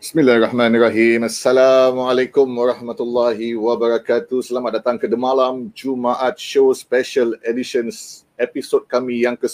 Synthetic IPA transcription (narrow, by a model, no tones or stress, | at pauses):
bismilaɛrɑhmãnraɦimasːalamalekʊmwaɾɑhmat̪ulːaɦiwabaɾakat̪usəlamat̪̚dat̪aŋkədəmalamd͡ʒumaʔat̪̚ʃospɛʃəlediʃəns | episot̚kamĩjaŋkə